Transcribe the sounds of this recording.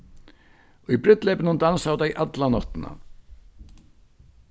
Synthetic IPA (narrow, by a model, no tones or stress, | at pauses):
ibɾɪt̪lejpɪnʏnd̪ansawt̪ajʔat̪lanɔht̪ɪna̰